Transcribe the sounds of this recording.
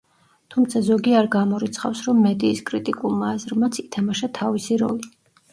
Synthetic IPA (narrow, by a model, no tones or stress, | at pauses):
t̪ʰumt̪sʰazɔɡiaɾɡamɔɾit̪sʰχa̰fsɾɔmːɛd̪iːskʼɾit̪ʼikʼulˠmaːzɾmat̪sʰit̪ʰamaʃat̪ʰavisiɾɔ̰li